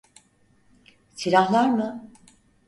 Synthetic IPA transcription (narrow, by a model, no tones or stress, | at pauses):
sʰiɾahlˠaɾmɯ